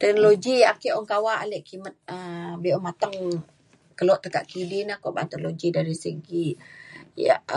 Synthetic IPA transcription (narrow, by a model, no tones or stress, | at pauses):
t̪ɛk̚noloɡiakiʔɔŋkawaʔalɛʔkimət̪̚əbiɔmat̪aŋ | kəlɔʔt̪ːəkaʔkidinahkɔʔba̰nt̪əloɡidaɾisəɡi | ja̰